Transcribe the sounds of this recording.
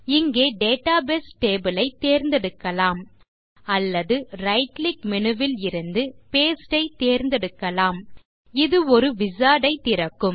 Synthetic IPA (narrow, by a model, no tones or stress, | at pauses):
ɪŋɡeːɖeːʈaːbeːsʈeːbɯlɐɪt̪ːeːɾnd̪ɛɽɯkːɐlaːm | ɐlːɐðɯɾɐɪʈlɪkmɛnɯʋɪlɪɾɯnd̪ɯpeːsʈɐɪt̪eːɾnd̪ɛɽɯkːɐlaːm | ɪðɯɔɾɯʋɪsaːɽɐɪt̪ɪɾɐkːɯm